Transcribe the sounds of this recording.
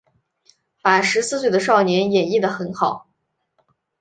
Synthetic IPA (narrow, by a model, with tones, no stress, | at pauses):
fa˨˩ʂɻ̩˧˥sɹ̩˥˧s̬we˥˩ɪd̪ə˩ʂ̬ɑ˥˩ʊnjɛ˧˥njɛ˨˩i˥˩d̪ə˩xə˧˥nxɑ˨˩˦ʊ